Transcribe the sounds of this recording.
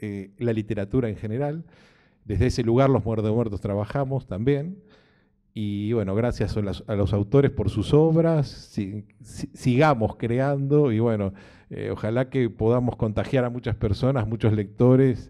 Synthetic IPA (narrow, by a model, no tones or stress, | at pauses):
elalit̪e̞ɾat̪uɾaeŋxe̞ne̞ɾal | d̪e̞zðeese̞luɣ̞aɾlo̞zmweɾt̪omweɾt̪ost̪ɾaβaxamo̞st̪ambje̞n | iβwe̞no̞ɣ̞ɾasjasalasalo̞sawt̪o̞ɾespo̞ɾsuso̞βɾasi | siɣamo̞skɾeand̪o̞iβwe̞no̞ | ḛo̰xalakepo̞ð̞amo̞sko̞nt̪axjaɾamut͡ʃaspeɾso̞nazmut͡ʃo̞zle̞k̚t̪o̞ɾes